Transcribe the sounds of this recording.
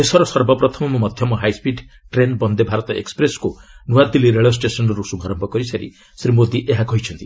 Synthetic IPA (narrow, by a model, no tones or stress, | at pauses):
esɔɾɔsʌɾbɔpɾɔt̪ʰɔmɔmɔmɔd̪ʱjɔmɔɦajspiɖ | ʈɾenbɔnd̪ebʱaɾɔt̪ɔḛkspɾeskonuwad̪iliɾeɭɔs̬ʈesɔnɾɔɾusuɡʱɔɾɔmbʱɔkɔɾisaɾḭ | sɾimod̪iʔeɦakɔɦit͡ʃʰɔnt̪i